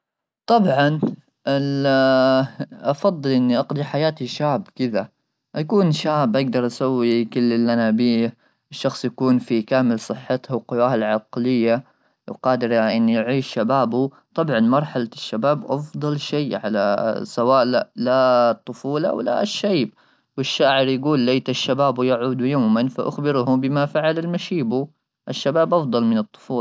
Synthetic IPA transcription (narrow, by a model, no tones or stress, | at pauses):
t̪ˤɑbʕɑn | ʔɪ | ʔɑfɑðˤːɨlʔɪnːiʔɑqd̪ˤiħajaːt̪iʃaːbkɪða | ʔakuːnʃaːbʔaɡ̚d̪ɑɾˤʔasawːikɪlːɪlʔanabiː | ɪʃːɑxsˤjakuːnfikaːmɪlsˤɨħːɪt̪hʊqʊwaːalʕɑqlɪjːa | wqɑːd̪ɪɾʔɪnːjʕiːʃːabaːbu | t̪ˤɑbʕɑnmɑɾˤħalaʃːabaːbʔɑfd̪ˤɑlʃeːʕala̰sawaːʔlalat̪ˤːʊfuːlaʔa̰wla̰ʃːajb̚ | wɪʃːaːʕɪɾjaɡuːlːejt̪aʃːabaːbujaʕuːd̪ujaːmanfaʔʊxbɪɾhʊbɪmafaʕalalmaʃiːbu | ʔɪʃːabaːbʔɑfd̪ˤɑlmɪnɨt̪ˤːʊ̥fuːl